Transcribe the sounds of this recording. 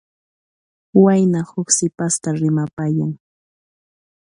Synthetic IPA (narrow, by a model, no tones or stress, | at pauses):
wajnahʊksɪpast̪aɾɪmapajaŋ